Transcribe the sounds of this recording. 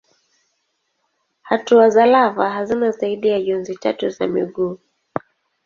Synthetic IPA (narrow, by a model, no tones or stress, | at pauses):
hatuazalavaɦazinasaiɗiaʄɔnzita̰tuza̰miɠuː